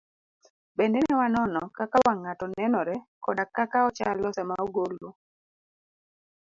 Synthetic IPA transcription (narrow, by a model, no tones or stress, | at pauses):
bendenɛwanɔnɔkakawaŋatɔnɛnɔɾɛkɔdakakaɔt͡ʃalɔsɛmaoɡolo